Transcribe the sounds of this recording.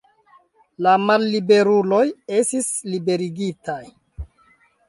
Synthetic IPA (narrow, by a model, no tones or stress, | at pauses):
lamalːibe̞ɾulo̞je̞stislibe̞ɾiɡitaj